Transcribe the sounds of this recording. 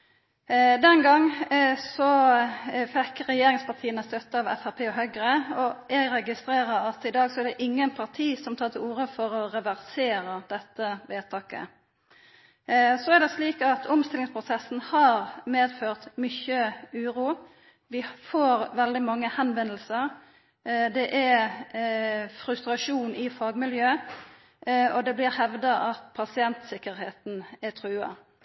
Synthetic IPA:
d̪ɛnɡɑŋsɔ | fɛkəɾɛjeːɾɪŋspɑʁt̪ʰiːənəst̪œt̪ːəɑʋɛ̰fæʁpʰeːɔɦœɡəɾəɔɛɡɾɛɡɪst̪ɾeːɾəɾɑt̪ɪd̪ɑːɡsɔɛʁɖ̪ɛʔɪŋːənpʰɑʁt̪ʰiːsɔmt̪ʰɑːɾt̪ɪluːɾəfɔɾɔɾɛʋæʁseːɾəd̪̥ɛt̪ːəʋeːt̪ʰɑːkə̰ | sɔæʁɖ̪ɛsliːkɑt̪ʰɔmst̪ɪlɪŋspʰʁʊsɛsn̩hɑɾmeːd̪føːʁt̪mʏçəʉːʁuː | ʋɪfoːʁʋɛld̪ɪmɑŋːəhɛnʋɛnːəlsəʁ | d̪ɛʔæ | fɾʉst̪ɾɑʂuːnɪfɑːɡmɪljøː | ɔd̪ɛblɪʁhɛʋd̪ɑʔɑt̪pʰɑsɪɛnt̪sɪkːəɾheːt̪n̩æt̪ʰʁʉːɑ̰

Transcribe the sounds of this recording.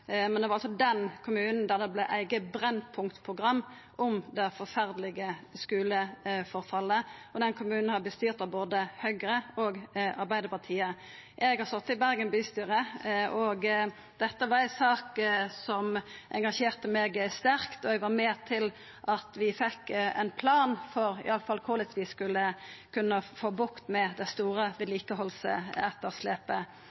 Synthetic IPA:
mɛnd̪ɛʋɑʁɑlsɔd̪ɛnkʰʊmʉːnn̩d̪æʁd̪ɛblæʔæɪɡəbɾɛnpʰʊŋkt̪pʰʁʊɡʁɑmː | ʔʊmd̪ɛfɔʁfæʁd̪lɪɡəskʉːləfɔʁfɑlːəʔɔd̪ɛnkʰʊmʉːnn̩hɑbəst̪yːʁt̪ɑʋboːd̪əhœʏɡɾəoːɡɑɾbæɪd̪əpɑʁt̪ʰiːə | ʔɛɡhɑɾst̪ɔt̪ːɪbæɾɡənbyːst̪yːɾəʔɔɡ | d̪̥ɛt̪ːəʋɑɾæsɑːksɔmʔɛ̰ŋɡɑʃeːʁt̪əmɛːɡst̪æɾkt̪ɔɛɡʋɑmeːt̪ʰɪl | ʔɑt̪ʋɪfɛkːɛ̰npʰlɑːnfɔɾɪ̰ɑləfɑlkʰʊlət̪ʰʋɪskʉlːəkʰʉnːəfoːbʊkt̪mɛd̪ɛst̪uːɾəʋɪd̪liːkəɦɔlsə̰ɛt̪ːəʁsleːpə

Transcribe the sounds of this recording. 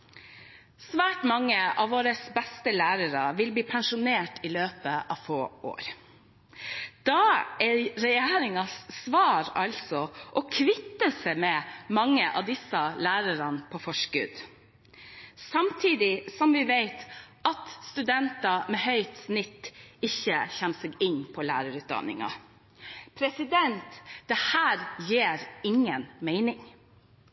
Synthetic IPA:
sʋæːʈmɑŋːəɑʋoːɾəsbɛst̪əlæːɾəɾɑ̰ʋɪlbliːpʰɛnʃʊneːʈɪløːpəʔɑ̰ːʋfoːʔo̰ːɾ | d̪̥ɑːæɾɾɛjeːɾɪŋɑssʋɑːɾɑ̰lsɔʔɔkʰʋɪt̪ːəsɛmɛmɑŋːəʔɑ̰ʋd̪ɪsɑlæːɾəɾɑnpʰɔfɔʂkʉ̰d̪ | sɑmt̪ʰiːd̪ɪsɔmʋɪʋeɪt̪ʔɑt̪st̪ʉd̪ɛnt̪ɑmɛhœʏt̪snɪt̪ːɪçːəçɛnːsɛɡɪnpʰɔlæ̰ːɾəɾʉːt̪̚d̪ɑ̰nɪ̰ŋɑ̰ | pʰɾɛsɪd̪ɛnt̪d̪̥ɛhæːɾjeːɾɪŋənmeɪnɪŋ

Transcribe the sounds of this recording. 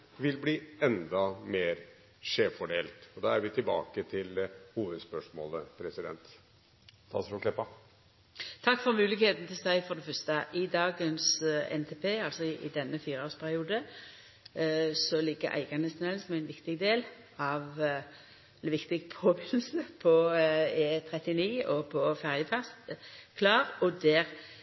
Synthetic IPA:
ʋɪlbliːɛnd̪ɑmeːɾ | ʂeːfɔɖeːlt̪ɔd̪ɑːæɾʋɪt̪ʰɪlbɑ̰ːkət̪ʰɪlhuːʋəd̪spœʂmo̰ːləpʰɾɛsɪd̪ɛ̰nt̪ | t̪ʰɑ̰sɔklɛpːɑ | t̪ʰɑkːfɔɾmʉːlɪɡheːt̪n̩ət̪ʰɪlsd̪æɪfɔʁd̪ɛfœst̪əʔɪd̪ɑːɡənsɛ̰nt̪ʰeːpʰeːɑlsɔɪʔɪ̰d̪ɛnːəfiːɾəoːspʰæʁɪuːd̪ə | sɔlɪɡːə̰ɾʔæ̰ɪɡɑnəsnɛlsmɛɪnʋɪkt̪ɪɡd̪eːl | ɑʋ | ʋɪkt̪ɪɡpʰoːbɪnl̩səpʰɔeːt̪ʰʁɛt̪ɪniːɔpʰɔfæʁjəfæst̪kʰlɑːʁɔd̪æːʁ

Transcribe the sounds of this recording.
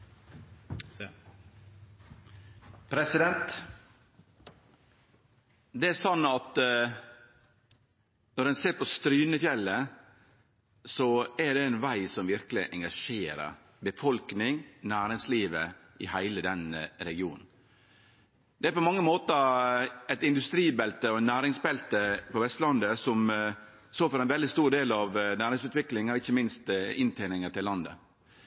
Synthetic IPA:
pʰɾɛsɪd̪ɛnt̪ | d̪ɛæɾsɔnːɑt̪ | nɔɾɛnseːɾpɔst̪ɾyːnəfjɛlːə | sɔæɾɖɛɛnʋæɪsɔmʋɪɾkəlɪʔɛŋɡɑʂeːɾə̰ɾ | bəfɔlknɪŋnæːɾɪŋsliːʋə̰ʔɪhæɪləd̪ɛnəɾɛɡɪṵːnn̩ | d̪ɛæɾpɔmɑŋːəmoːt̪əæt̪ɪnd̪ʉst̪ɾiːbɛlt̪əɔɛnːæːɾɪŋsbɛlt̪əpɔʋɛst̪lɑnd̪əsɔm | soːfɔɾæɪnʋɛld̪ɪst̪uːɖ̪eːlɑʋnæːɾɪŋsʉːt̪ʋɪklɪŋɾɪçːəmɪnst̪ɪnt̪ʰeːnɪŋəʈ̪ɪlːɑnd̪ə̰

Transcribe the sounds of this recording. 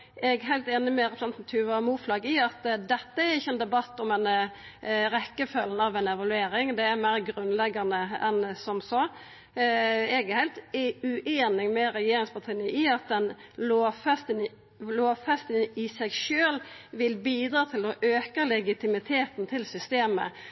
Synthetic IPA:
ɛɡɦæɪlt̪eːnəmɛɾɛpɾsɛnt̪n̩t̪ʰyːʋəɑmuːflɑːɡɪɑt̪d̪ɛt̪ːəæɾɪçːəɛnd̪ɛbɑt̪ːɔmɛn | ɾɛkːəfœlnəɑʋɛɪnɛʋɑlʉeːɾɪŋd̪ɛæɾmæɪɾɡɾʉnlɛɡɑnəɛ̰nsɔmsɔ | eːɡəhɛɪlt̪ʉʔeːnɪŋmɛɾɛjeːɾɪŋspʰɑt̪ʰiːnəɪɑt̪̚d̪ɛnloːfɛst̪ən | loːʋfɛst̪əɪsæɪɡʃøːlʋɪlbiːd̪ɾɑːt̪ʰɪlɔʔøːkəlɛɡɪt̪ʰɪmɪt̪ʰeːt̪nt̪ʰɪlsʏst̪eːmə̰

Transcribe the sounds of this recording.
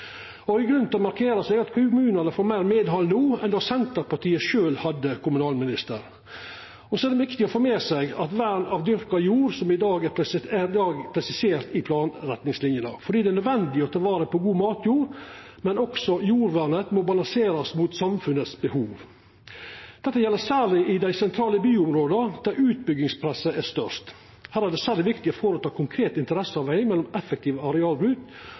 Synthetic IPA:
ɔɪɡɾʉnt̪ʰɛɔmɑɾkʰeːɾɑsɛɡɑt̪kʰʊmʉːnɑnəfoːɾmæɪɾmeːd̪ɦɔld̪ʊːɛ̰nd̪ɑːsɛnt̪əɾpɑʈʰiːəʃøːlhɑd̪ːəkʰʊmʉnɑːlmɪnɪst̪əɾ | ɔsɔæd̪ɛʋɪkt̪ɪɔfɔɾmeːsɛɡɑt̪ʋæɾnɑʋd̪ʏɾkɑjuːɾsɔmɪd̪ɑːɡæɾæd̪ɑːɡpʰɾɛsɪseːɾt̪ɪpʰlɑːnɾɛt̪nɪŋslɪnjənəfɔɖiːd̪ɛnœd̪ʋɛnd̪ɪɔt̪ʰɑlʋɑːɾəpʰɔɡuːmɑːt̪ʰjuːɾ | mɛnɔksɔjuːɾʋæɾnət̪mobɑlɑŋseːɾɑsmut̪sɑmfʉnəsbəhuːʋ | d̪ɛt̪ːəjɛlːəsæːɭɪʔɪd̪æɪsɛnt̪ʰɾɑːləbyːʊmɾoːd̪əɾd̪̥æɾʉːt̪̚bʏɡːɪŋspʰɾɛsəʔæst̪œʂt̪ | hæːɾæɖɛːsæːɾɪʋɪkt̪ɪɔfɔɾət̪ʰɑːkʰʊŋkʰɾeːt̪ɪnt̪əɾɛsːəɑʋæɪmɛlːɔmɛfːək̚t̪ʰiːʋəɑɾɛɑːlbɾʉt̪

